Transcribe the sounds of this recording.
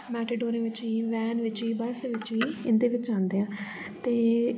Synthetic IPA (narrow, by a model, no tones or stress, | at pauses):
mɛːʈeɖoːɾẽːʋɪt͡ʃiːʋɛːnʋɪt͡ʃiːbəsʋɪt͡ʃiːɪnd̪eːʋɪt͡ʃãːnd̪eːãː | t̪eː